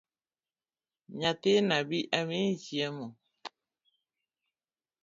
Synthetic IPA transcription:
ɲatenabiʔaminsiɛmɔ

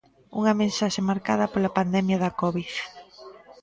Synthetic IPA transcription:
ṵŋɐmẽnsaʃemaɾkað̞ɐpolɐpand̪ɛmjɐðɐkɔβiθ

